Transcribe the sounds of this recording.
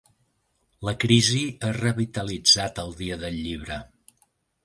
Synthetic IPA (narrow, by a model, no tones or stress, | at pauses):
ləkɾiziərəβit̪əlid͡zat̪əlˠd̪iəðəʎːiβ̞ɾə